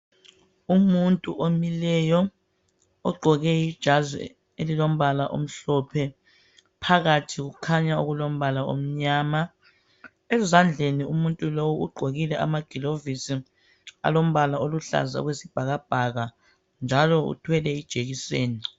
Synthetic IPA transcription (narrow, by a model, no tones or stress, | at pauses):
umuntʼuʔomilɛjɔ | ɔɡ͡ǃʱɔɣɛid̥ʒ̥ʱazḭ | elilom̩βalaʔo̰m̩ɬɔpʰɛ | pʰaɣatʰiɣukʰaɲauɣulom̩βalao̰m̩ɲaːma | ɛzand͡ɮʱeniumuntʼulowuuɡ͡ǃʱoɣilɛʔa̰maɡ̥ʱilovisi | a̰lom̩βalaoluɬa̰za̰ɣwesib̥ʱaɣab̥ʱaɣa | nd͡ʒʱalɔṵtʰwɛlɛid̥ʒ̥ʱeɣiseːni